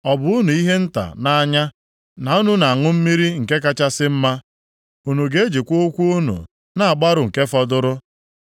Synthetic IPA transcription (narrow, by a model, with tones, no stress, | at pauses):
ɔ˨bʊ˨u˦nu˨i˦ɦe˦n̩˦ta̰˨na˨a˦ɲa˦ | na˨u˦nu˦na˨a˨ŋʊ˦m̩˦mi˦ɾi˦ŋ̩˨ke˦k̬a˦t͡ʃa˦sɪ˦m̩˦ma˦ | u˨nu˨ɡe˦d͡ʒe˨kʷo˦kʷu˦u˦nṵ˨ | na˨a˨ɡ͡ba˦ɾʊ˨ŋ̩˨ke˦fɔ˦dʊ˦ɾʊ˦